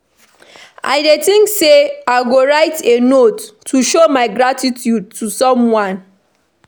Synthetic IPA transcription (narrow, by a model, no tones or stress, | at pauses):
a̰ɪdetĩŋkseaɪɡoɹaɪtenottʰːuʃomaɪɡɹatitʰjud̚tusɔ̃mwãn